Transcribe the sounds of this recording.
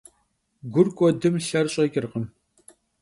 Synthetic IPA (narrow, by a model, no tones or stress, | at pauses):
ɡʷʊrkʷʼɔdɨmɬɐrɕʼɐkʲʼɪrqəm